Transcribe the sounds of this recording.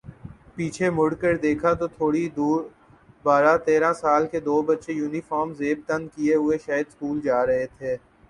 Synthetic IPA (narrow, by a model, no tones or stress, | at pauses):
piːt͡ʃʰemʊɽkəɾd̪eːkʰat̪ot̪ʰoːɽid̪uːɾ | baːɾat̪eːɾãsaːlked̪oːbətːʃejuːnifaːɾmzeːb̚t̪ə̃nd̪̚kieɦʊeʃaːjəd̪skuːld͡ʒaːɾəɦet̪ʰeː